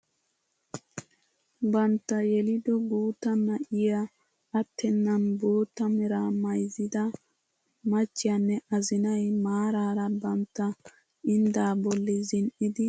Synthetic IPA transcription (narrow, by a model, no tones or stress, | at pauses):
bɐnt̪ːɐjɛlɪd̪ɔɡuːt̪ɐnːɐʔɪjaː | t̪ːɛnːɐnboːt̪ːɐmɛɾamɐjzɪd̪ɐ | mɐt͡ʃːɪjanːɛɐzɪnɐjmaːɾaːɾɐbɐnt̪ːɐ | ɪnd̪aːbɔlːɪzɪnʔɪd̪ɪ